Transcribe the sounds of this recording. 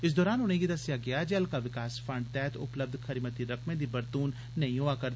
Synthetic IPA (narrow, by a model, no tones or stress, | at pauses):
ɪs̬d̪ɔːɾaːnʊn̤ẽɡid̪əsɪjaɡɪjaːd͡ʒəlkaʋɪkaːsfʰə̃ɳɖ̚t̪ɛːt̪ʊ̰pləb̚d̪kʰəɾimət̪iɾɐkmẽd̪iːbəɾt̪uːnːɐɦĩɦoakəɾd̪